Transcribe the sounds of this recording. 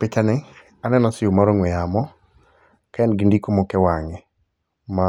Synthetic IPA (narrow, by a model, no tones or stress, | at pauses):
pɪt͡ʃanɪ | anɛnɔsɪomaɾoŋwɛjamɔ | kaɛnɡɪndikomokɛwaŋɪ | ma